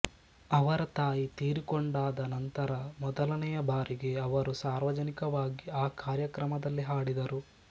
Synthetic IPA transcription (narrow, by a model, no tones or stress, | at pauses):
ɐʋɐɾɐt̪aːjit̪iːɾikoɳɖaːd̪ɐnɐnt̪ɐɾɐmɔd̪ɐlɐnɛjɐbaːɾiɡe̞ɐʋɐɾusaːɾʋɐd͡ʒɐnikɐʋaːɡiaːkaːɾjɐkɾɐmɐd̪ɐlːiɦaːɽid̪ɐɾu